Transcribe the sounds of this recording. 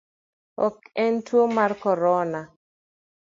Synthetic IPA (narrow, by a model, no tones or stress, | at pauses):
ɔ̰kɛntwomarkɔɾɔna